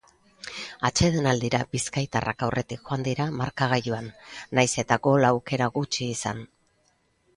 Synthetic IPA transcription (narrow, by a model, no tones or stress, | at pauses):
at͡ʃeð̞enald̪iɾabiskajt̪arʔa̰kawrʔe̞t̪ikʝo̞and̪iɾamaɾkaɣ̞ajuanːajse̞t̪aɡo̞laːwke̞ɾaɣut͡ʃiːsa̰n